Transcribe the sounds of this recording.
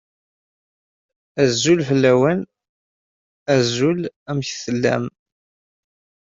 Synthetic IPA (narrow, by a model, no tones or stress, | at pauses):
æzːulfəlːæwæn | æzulæmçθəlːæ̰m